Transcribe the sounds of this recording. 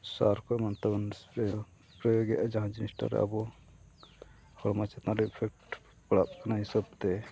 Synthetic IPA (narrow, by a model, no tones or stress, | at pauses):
saɾkɔmant̪abɔnspɾɔjɔ | pɾɔjoɡit̪ad͡ʒaɦãd͡ʒinisʈa̰ɾɛ̰a̰bɔ | hɔɭmat͡ʃat̪nãlɔpʰɛk̚ʈ | paɽap̚kanaɦisab̚t̪ɛ